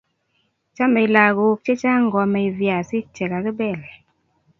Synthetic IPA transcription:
t͡ʃa˦mɛ˨la˨ɡo˨˦k̚t͡ʃe˦t͡ʃa˦ŋɡɔ˨mɛ˨i˨vja˨si˦t͡ʃɛ˨ka˨kɪ˦bɛ˦˨lɛ˨

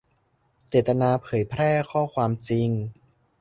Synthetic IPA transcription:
t͡ɕeː˨˩t̪ːa˧naː˧pʰɤː˩˦jpʰɾɛː˥˩kʰɔː˥˩kʰwaː˧mt͡ɕi˧ŋ

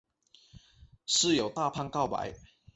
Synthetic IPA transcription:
ʂɻ̩˥˨jo˨˩ʊt̪a˥˧pʰa˥˧nkɑ˥˨ʊpa̰˨˦ɪ

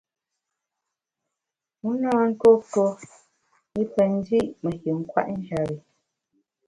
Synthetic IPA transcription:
mu˦naː˦ŋ̩˦kɔ˦to˦ | i˦pɛ˨n˦di˦ʔmə˨ki˨ŋ̩˦kwa̰˦ʔn̩˦d͡ʒa˨ɾi˨

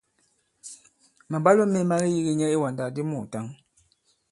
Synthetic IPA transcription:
ma˨ba˦lo˦me˦ma˦ɣi˦ji˦ɣi˦ɲɛ˦e˦wa˨n˨da˨di˦mu˨ta˦ŋ

